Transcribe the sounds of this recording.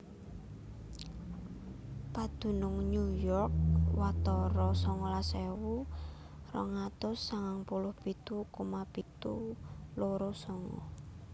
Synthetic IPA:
pad̪̥ṳnʊŋɲujɔrk̚wat̪ɔɾɔsɔŋɔlasɛwu | rɔ̰ŋat̪ʊsːaŋaŋpulʊhb̥it̪ukumapit̪uloɾɔsɔŋɔ̰

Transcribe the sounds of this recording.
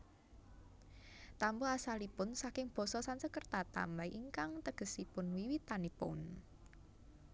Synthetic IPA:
t̪ampɔasalipʊnsakɪŋb̥ɔ̤sɔsansəkərt̪at̪a̰mbaiʔiŋkaŋt̪əɡ̥ə̤sipʊnwiwit̪anipʊ̰n

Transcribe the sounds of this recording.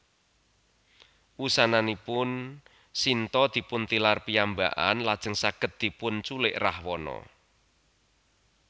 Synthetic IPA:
wusananipʊn | sint̪ɔd̪̥i̤pʊnt̪ilarpiamba̰ʔa̰nlad̥ʒ̥ə̤ŋsaɡ̥ət̪̚d̪̥i̤pʊnt͡ʃulɪʔra̰hwɔnɔ̰

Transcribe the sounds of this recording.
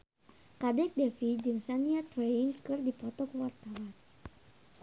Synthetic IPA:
kadɛk̚dɛfid͡ʒɨŋsaniat̪ɾenkɨrdipɔt̪ɔkuwart̪awan

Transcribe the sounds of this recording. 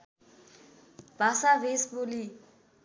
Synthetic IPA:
basavesbʊli

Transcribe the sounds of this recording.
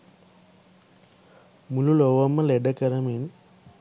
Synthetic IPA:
mululoʋɐmːɐleɖɐkɐɾɐmin

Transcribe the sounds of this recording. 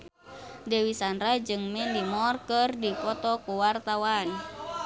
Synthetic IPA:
dɛwisanɾad͡ʒɨŋmɛndimɔrkərdipɔt̪ɔkuwart̪awan

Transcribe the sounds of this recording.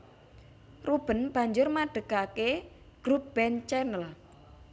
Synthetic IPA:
rub̥ə̤nb̥a̤ɲd͡ʒʊrmaɖ̥ə̤ɡ̥ake | ɡ̥ɾup̚b̥ɛnt͡ʃɛnəl

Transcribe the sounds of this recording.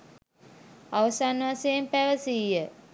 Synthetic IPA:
aʋəsanʋasejempæʋəsijə

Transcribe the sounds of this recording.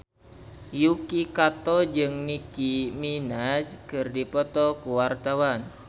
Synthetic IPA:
jukikat̪ɔd͡ʒɨŋnikiminad͡ʒkɨrdipɔt̪ɔkuwart̪awan

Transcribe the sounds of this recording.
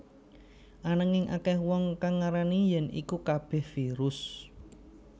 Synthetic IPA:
ʔanaŋɪŋʔa̰kɛhwɔŋkaŋːaɾanijɛnḭkukab̥ɛ̤hfiɾʊs

